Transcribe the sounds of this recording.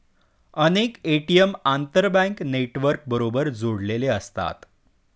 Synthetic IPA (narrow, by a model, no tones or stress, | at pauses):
ənekeʈiəmant̪əɾbə̃ŋkneʈʋəɾk̚bəɾobəɾd͡zoɽleleəst̪a̰t̪